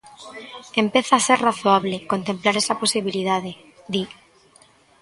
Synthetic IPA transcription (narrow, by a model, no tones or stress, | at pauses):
empeθaaseɾraθoaβlekont̪emplaɾesaposiβ̞ilið̞að̞e | d̪i